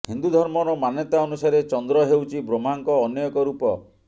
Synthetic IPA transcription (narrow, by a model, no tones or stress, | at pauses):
hind̪ud̪ʱɔɾmɔɾɔmanjɔt̪aɔnusaɾet͡ʃɔnd̪ɾɔɦewt͡ʃʰibɾom̤aŋkɔːnjɔjɔkɔɾupɔ